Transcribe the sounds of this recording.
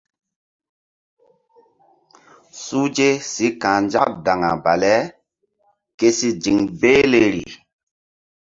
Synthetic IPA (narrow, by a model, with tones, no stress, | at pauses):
su˦d͡ʒe˦si˨˦kã˨nd͡ʒa˦kda˨ŋa̰˨ba˨lɛ˦ | ke˦si˦d͡ʒi˨ŋbe˦le˦ɾḭ˨